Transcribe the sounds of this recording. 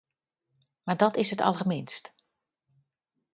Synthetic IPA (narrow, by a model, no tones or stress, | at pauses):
maɹdɔtɪsɦətʰɑ̰lˠɣəmɪnst